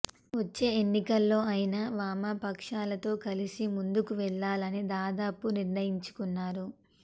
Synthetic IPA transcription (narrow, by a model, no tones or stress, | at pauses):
ʋɐt͡ʃːe̞ːenːikɐlːo̞ːɐjinaʋaːmapɐkʂaːlɐt̪o̞ːkɐlisimund̪ukuʋɛɭːaːlɐnid̪aːd̪aːpuniɾnɐjiɲt͡ʃu̥kunːaːɾu